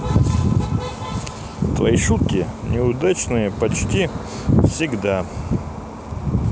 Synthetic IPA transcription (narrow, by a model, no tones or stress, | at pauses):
t̪vɐ̰iʂut̪̚kʲɪnʲʔɪʊd̪at͡ʃnɨjəpɐt͡ʃtʲi | fsʲɪɡd̪a